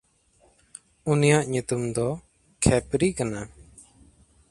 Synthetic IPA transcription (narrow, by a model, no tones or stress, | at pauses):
unijaʔɲut̪umd̪ɔ | kʰɛpɾikana